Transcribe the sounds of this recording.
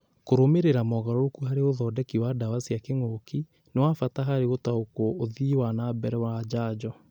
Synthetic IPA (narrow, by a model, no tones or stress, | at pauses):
koɾomeɾeɾamɔɣaɾɔokuɦaɾeoðɔːdɛkiwadawasiakeŋoki | newafataɦaɾeɣotaokoːðiwanabɛɾɛwad͡ʑaːd͡ʑɔ